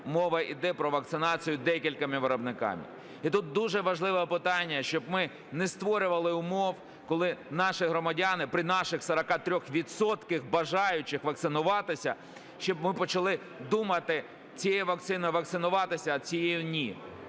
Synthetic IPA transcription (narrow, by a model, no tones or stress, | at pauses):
mɔʋɐʔid̪ɛpɾɔʋɐk̚t̪sɪnɑt͡sʲijʊd̪ɛkʲilʲkɐmɪʋeɾɔbnɪkɑ̰mɪ̰ | it̪ut̪̚d̪uʒɛʋɐʒlˠɪʋɛpɪt̪ɑnʲːɐʃt͡ʃɔbmɪ | nɛst̪ʋɔɾʲʊʋɐlˠɪʊmɔw | kɔlˠɪnɑʃɪɦɾɔmɐdʲanɪpɾɪnɑʃɪxsɐɾɐkɑt̪ɾʲɔxʋʲit̪sɔt̪kɪxbɐʒɑjʊt͡ʃɪxʋɐk̚t̪sɪnʊʋɑt̪ɪsʲɐ | ʃt͡ʃɔbmɪpɔt͡ʃɐlˠɪ | d̪umɐt̪ɪ | t͡sʲijɛʋɐk̚t̪sɪnɪʋɐk̚tsɪnʊʋɑt̪ɪsʲɐːt͡sʲijejʊnʲi